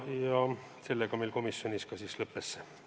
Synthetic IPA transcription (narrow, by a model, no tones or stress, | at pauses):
jɑ | se̞lːeɡ̥ɑmelko̞misːjo̞nʲiskɑsislɤpːesːe